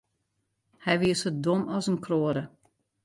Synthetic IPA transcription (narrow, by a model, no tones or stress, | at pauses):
hɛjʋiəsət̚domɔsənkʰroːəɾə